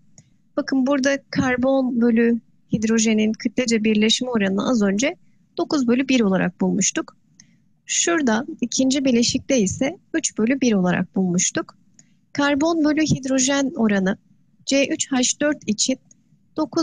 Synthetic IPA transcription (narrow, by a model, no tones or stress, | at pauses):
b̥akʰɯnbuɾd̪akʰaɾbo̞nbø̞lʲy | hid̪ɾo̞ʒeninkʰɯt̪lʲed͡ʒabiɾlʲɛʃmio̞ɾanɯna̰ʔazø̞nd͡ʒɛ | d̪̥o̞kuzbø̞lʲybiɾo̞lˠaɾa̰k̚bulˠmuʃt̪uk | ʃuɾd̪aicʰind͡ʒibilʲeʃic̚lʲɛisɛyt͡ʃbø̞lʲybiɾo̞lˠaɾa̰k̚bulˠmuʃt̪uk | kʰaɾbo̞nbølʲyɦid̪ɾo̞ʒæno̞ɾanɯ | d͡ʒeʔyt͡ʃhaʃd̪ø̞ɾt̪ʰit͡ʃʰin | d̪̥o̞kʰu